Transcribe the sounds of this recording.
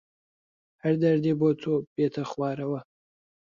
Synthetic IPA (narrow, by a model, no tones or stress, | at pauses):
hɐɾd̪ɐɾd̪iboːt̪ʰobeːt̪ʰɐχwaːɾɐwɐ